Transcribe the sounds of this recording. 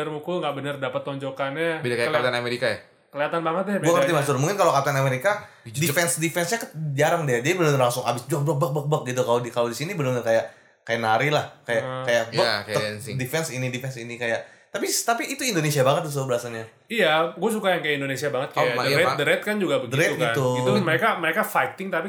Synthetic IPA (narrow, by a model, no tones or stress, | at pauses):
ərmukuŋɡaʔbənərdapət̪ːɔɲd͡ʒokanabidakajalkat̪anameɾikaja | kəliat̪anbaŋət̪̚jabuaŋərt̪imasʊlmuŋkɪnkalokat̪aanameɾika | difɛnsdifɛnsɲakət̪̚d͡ʒaɾaŋdiad͡ʒadibənənərlaŋsʊŋabɪsd͡ʒɔk̚blək̚bək̚bək̚bək̚ɡit̪ukalodikalodisinibənəɲərkajaʔ | kajanaɾilahkajakajaʔjəakaənsdifɛnsinidifɛnsinikajaʔ | t̪apit̪apiːt̪uindonesiabaŋət̪̚dus̬ʊbəɾaasanɲa | ijaɡuas̬ukajaŋkajaindonesiabaŋət̪̚kaadəɾɛdəɾɛt̪̚kand͡ʒuɡabəɡdəiɾɛt̪uɡiant̪uɡiuməɾekaməɾekafajt̪ɪŋt̪api